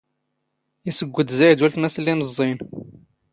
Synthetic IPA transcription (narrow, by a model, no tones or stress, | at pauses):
isəɡʷːəd̪ziʕd̪ulθnæslːinəzˤːin